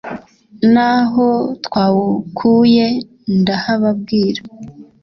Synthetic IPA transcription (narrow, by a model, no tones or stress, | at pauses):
naɦo̞tkwaːwukʰuje̞ | ndahaβabɡiːɾa